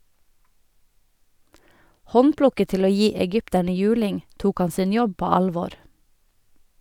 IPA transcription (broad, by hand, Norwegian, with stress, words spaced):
ˈhɔnˌpɽʊkət ˈtɪl ˈoː ˈjiː ɛˈɡʏptæɳə ˈjʉːlɪŋ ˈtuːk ˈɑn ˈsɪn ˈjɔb ˈpoː ˈɑlˌʋoːɾ